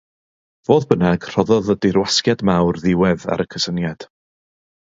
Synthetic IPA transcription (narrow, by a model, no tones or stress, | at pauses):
v̥oːðbənaɡ̥r̥ɔðɔðədɪrwaskjadmawrðɪwɛða̰ɾəkʰəsənjad̥